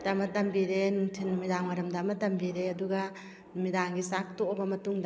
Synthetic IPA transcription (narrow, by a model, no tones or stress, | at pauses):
damɐdɐmbiɾenuŋtʰinumidaŋwaɾɐmdamɐdɐmbiɾeɐduɡa | numidaŋɡisak̚toːbɐmɐtuŋd